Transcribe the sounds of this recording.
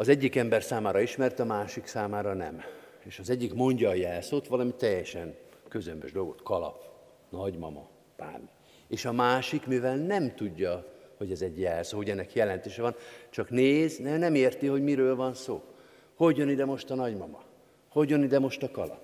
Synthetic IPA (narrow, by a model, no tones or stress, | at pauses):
ɒzɛɟːikɛmbɛrsaːmaːɾɒiʃmɛrt̪ɒmaːʃiksaːmaːɾɒnɛ̰m | eːʃɒzɛɟːikmo̞ɲɟɒːjɛlsoːt̪ʋɒlɒmit̪ɛjːɛʃɛŋkøzømbøʒd̪o̞lɡo̞̰t̪kʰɒlɒ̰p | nɒɟmɒ̰mɒ̰ | pa̰ːn | eːʃɒmaːʃikmivɛlnɛmt̪uɟːɒhoɟɛzɛɟjɛlsoːɦo̞ɟɛnːɛkjɛlɛnt̪eːʃɛvɒnt͡ʃɒkneːznɛnɛmeːrt̪iho̞ɟmiɾøːlvɒnsoː | ho̞ɟjønid̪ɛmo̞ʃt̪ɒnɒɟmɒmɒ | ho̞ɟjønid̪ɛmo̞ʃt̪ɒkɒlɒ̰p̚